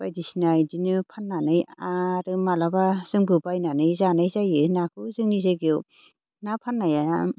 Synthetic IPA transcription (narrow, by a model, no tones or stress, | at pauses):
b̥ajdisinajdinɯpʰanːanɯjaɾɯmalabaz̥ɯŋbɯbajnanɯjzanajzajɯnakʰɯzɯŋnizaɡi | napʰanːajaa